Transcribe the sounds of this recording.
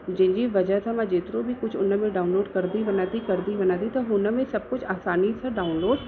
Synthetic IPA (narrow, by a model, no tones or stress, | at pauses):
d͡ʒɪ̃d͡ʒiʋɐd͡ʒət̪ʰamãd͡ʒeːt̪ɾobʱikʊt͡ʃʰʊnəmẽɖaːunloːɖkɐɾd̪ibɐnaːt̪ikɐɾd̪ibɐnaːt̪it̪ɐɦʊnəmẽsɐb̚kʊt͡ʃʰaːsaːnisʰəɖaːʊnloːɖ